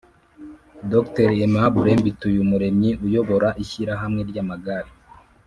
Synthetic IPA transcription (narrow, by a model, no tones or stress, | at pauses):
dokteɾemaβuɾe̞ːmbitujumuɾe̞mɲiʔujo̞βo̞ɾaʔiçiɾaɦamŋe̞ɾɟaːmaɡaɾi